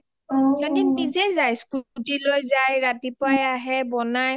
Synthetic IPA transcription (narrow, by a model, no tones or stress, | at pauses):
kɔdindizɛjzajskutilojzajɹatipajaɦɛbɔnaj